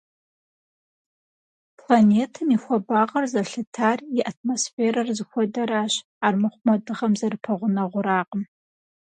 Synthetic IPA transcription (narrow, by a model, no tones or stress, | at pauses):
pʰlaneːtʰɨmixʷɔbaːʁɐrzɐɬɨtʰaːrjɪʔat̚ʰmosfeːɾɐrɨzɨxʷɔdɐɾaːɕ | aːrmɨχʷmɐdɨʁɐmzɐrɨpʰɐʁʷʊnɐʁʷʊɾaːqəm